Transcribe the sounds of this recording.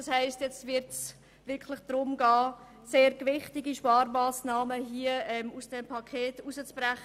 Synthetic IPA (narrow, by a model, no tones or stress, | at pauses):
ɑshaɪstjɛt͡stvɪɾts | vɪɾkʰlɪχd̥rʊmɡɑː | seːɾɡvɪχtɪɡiʃpɑːɾmaːsnɑːməɦiəɛmusd̥ɛmpʰɑkʰeːtuzət͡sb̥rɛχə